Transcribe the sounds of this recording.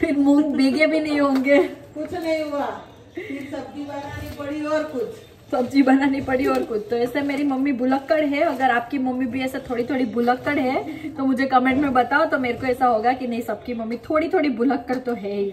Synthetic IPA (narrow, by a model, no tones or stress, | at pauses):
fɪɾmʊ̃ŋɡbʱeːɡebʱinɐɦĩɦõːŋɡeːkʊt͡ʃʰnɐɦĩɦua | ɪsɐb̚d͡ʒibɐnaːnipɐɽiɔːɾkʊt͡ʃʰ | sɐb̚d͡ʒibɐnaːnipɐɽiɔːɾkʊt͡ʃʰt̪oɛːsemeːɾimɐmːibʊləkːəɽɦɛɐɡəɾaːp̚kimɐmːibʱiɛːset̪ʰoːɽit̪ʰoːɽibʊləkːəɽɦɛt̪omʊd͡ʒʱekɐmẽːɳʈmẽbɐt̪aːot̪omeːɾekoɛːsaɦoːɡakinɐɦĩsɐb̚kimɐmːit̪ʰoːɽit̪ʰoːɽibʊləkːəɾt̪oɦɛː